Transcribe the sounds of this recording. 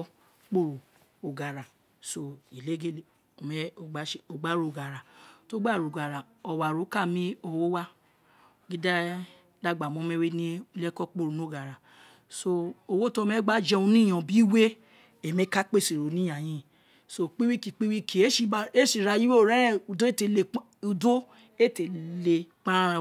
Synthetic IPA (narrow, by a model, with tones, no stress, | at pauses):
k͡po˦˨ɾu˨ | o˨ɡa˨ɾa˨ | so˧i˨le˨˦ɡe˦˨le˨ | o˨mɛ˧˦o˧ɡ͡ba˨˦ʃe˦o˧ɡ͡ba˨˦ɾo˨o˨ɡa˨ɾa˨to˨˦ɡ͡ba˦˨ɾo˨ɡa˨ɾa˨ | ɔ˨wa˨ɾo˨˦ka˦˨mĩ˦o˧˨wo˦wa˦ | ɡi˦da˦ | da˦˨ɡ͡ba˨mɔ̃˨˦mɛ̃˦we˦nĩ˦˧lɛ˦kɔ˦k͡po˦ɾu˨nũ˨˦˨ɡa˨ɾa˨ | so˧o˧wo˦tɔ˧˦mɛ˦ɡ͡ba˦d͡ʒɛ˧õ˧nĩ˦j̃ã˨˧bi˦we˦ | e˨mɛ̃˨˦ka˦k͡pe˦˨se˨ɾo˨nĩ˦a˨j̃ĩ˧ | so˦k͡pi˦wi˦ki˨k͡pi˦wi˦kʰi˨˦e˦ʃi˨˦e˦ʃi˦˨ɾa˧ji˦we˦o˦˨ɾɛ̃˦˨u˨do˦e˦te˧˨le˧˦u˧do˦ | e˦˨te˨le˧k͡pã˦a˦˧